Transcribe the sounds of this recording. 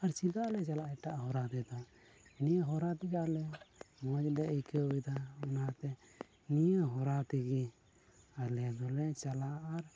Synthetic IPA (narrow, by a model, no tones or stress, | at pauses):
aɾt͡ʃilalɛt͡ʃalaʔɛʈaʔɦɔɾad̪ɛd̪ɔ | nijəɦɔɾat̪iɡalɛmɔd͡ʒdɛəjkəid̪aɔnat̪ɛ | nijəɦɔɾat̪iɡi | alɛd̪ɔlɛt͡ʃalaːɾ